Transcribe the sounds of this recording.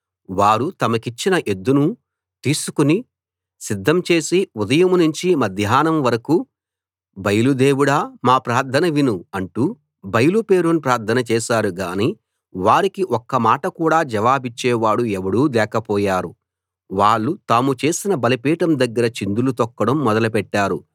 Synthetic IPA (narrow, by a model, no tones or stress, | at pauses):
ʋaːɾut̪ɐmɐkit͡ʃːinɐʔe̞d̪ːunu | t̪iːsukuni | sid̪ʱːɐmt͡ʃe̞ːsiud̪ɐjɐmunuɲt͡ʃimɐd̪ʱjaːnɐmʋɐɾɐku | bɐjɐlud̪eːwuɽaːmaːpɾaːɾt̪ʰːɐnɐʋinuɐɳʈu | bɐjɐlupeːɾunupɾaːɾt̪ʰɐnɐt͡ʃɛːʃaːɾuɡa̰ːniː | ʋaːɾikiʔɔkːɐmaːʈɐkuːɽaːd͡ʒɐʋaːbit͡ʃːɛːʋaːɽuɛʋɐɽuːd̪ɛːkɐpɔːjaːɾu | ʋaːɭːut̪aːmut͡ʃe̞ːsinɐbɐlɐpiːʈɐmd̪ɐɡːɐɾɐt͡ʃind̪ulut̪ɔkːɐɽɐmːɔd̪ɐlɐpɛʈːaːɾu